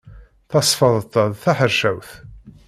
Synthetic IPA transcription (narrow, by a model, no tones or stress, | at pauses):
θɑsˤfəðˤət̪ˤːəðθaħəɾʃæwθ